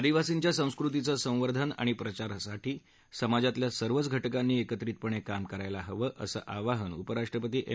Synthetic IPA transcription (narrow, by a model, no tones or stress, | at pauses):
d̪iʋasiɲt͡ɕjasə̃w̃skɾut̪̬it͡səsə̃w̃ʋəɾd̪ʱəna̰ɽ̃ipɾət͡ɕaɾsaʈiː | səmad͡zat̪ljasəɾʋət͡sɡʱəʈkanːiːekət̪ɾiːt̪̚pəɳ̃ekamkəɾajlaɦəʋəːʔəsə̰ʔaʋaɦənupəɾaʂʈɾəpət̪iːʔe